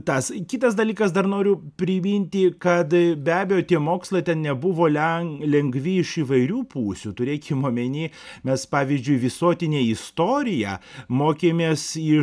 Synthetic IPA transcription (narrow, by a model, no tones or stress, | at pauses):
t̪ɐskʲɪt̪ɐsd̪ɐlʲiːkɐsd̪ɐɾnoːɾʲʊpʲɾʲɪmʲinʲt̪ʲɪkɐt̪bʲæːbʲejoːt̪ʲiɛmoːkslˠɐt̪ʲɛnnʲɛbʊʋoːlʲɛŋlʲɛŋɡʋʲɪɪʃiːʋɐɪɾʲuːpuːsʲut̪ʊɾʲeːkʲɪmoːmʲɛnʲeːmʲɛspɑːʋʲizʲd͡ʒʲʊɪʋʲɪsoːt̪ʲɪnʲeːɪst̪oːɾʲɪjɛ̰ːmoːkʲeːmʲeːsɪ